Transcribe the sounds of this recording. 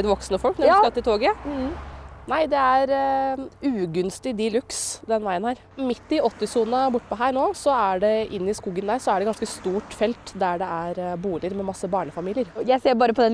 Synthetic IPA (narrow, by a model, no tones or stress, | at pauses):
d̪ʋɔksnəfɔlknɔkɑt̪ːɪt̪ʰoːɡə | næɪd̪ɛæɾ | ʉːɡʉnst̪ɪd̪ɪːlʉksd̪ɛnʋæɪənhæːɾ | mɪt̪ːɪɔt̪ːɪsuːnəbʊʈːəpʰɔɦæːɾɳoːsɔæɖɛʔɪnːəɪskuːɡənd̪æːɾsɔæɖɛɡɑnskəst̪uːʈfɛlt̪d̪æɖɛʔæɾbuːlɪəɾmɛmɑsːəbɑːɳəfɑmiːlɪəɾjæseːbɑːɾəpʰɔd̪ɛ